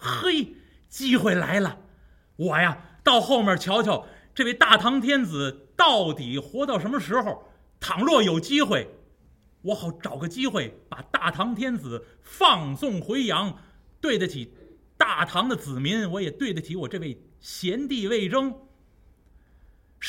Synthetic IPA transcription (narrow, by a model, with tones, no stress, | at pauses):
xe˥ɪ | t͡ɕi˥xwe˥˩ɪla̰˧˥ɪlə˨ | wɔ˨˩ja˧t̪ɑ˥˧ʊxo˥˧ʊmjə˞˥˩t͡ɕʰjɑ˧˥ʊt͡ɕʰjɑ˧˩ʊʈ͡ʂɤ˥˧we˥˧ɪt̪a˥˩t̪ʰɑ˧˥ŋt̪ʰjɛ˥nd͡zɹ̩˨˩t̪ɑ˥˩ʊt̪i˨˩xwɔ˧˥t̪ɑ˥˩ʊʂə˧˥nmə˧ʂɻ̩˧˥xo˧˨˩ʊ | t̪ʰɑ˨˩ŋlwɔ˥˩jo˨˩ʊt͡ɕi˥xwe˥˩ɪ | wɔ˧˥xɑ˨˧˩ʊʈ͡ʂɑ˨˩ʊɡə˧t͡ɕi˥xwe˥˩ɪpa˨˩t̪a˥˩t̪ʰɑ˧˥ŋt̪ʰjɛ˥nd͡zɹ̩˨˩˦ | fɑ˥˧ŋsʊ˥˩ŋxwe˧˥ɪjɑ˧˥ŋ | t̪we˥˩ɪdə˩t͡ɕʰi˨˩ | t̪a˥˩t̪ʰɑ˧˥ŋd̪ə˨t͡sɹ̩˨˩mi˧˥ŋwɔ˧˥jɛ˨˩t̪we˥˩ɪdə˩tʰi˧˥wɔ˨˩ʈ͡ʂɤ˥˧ʋe˥˩ɪ | ɕjɛ˧˥nt̪i˥˧ʋe˥˩ɪʈ͡ʂɤ˥ŋ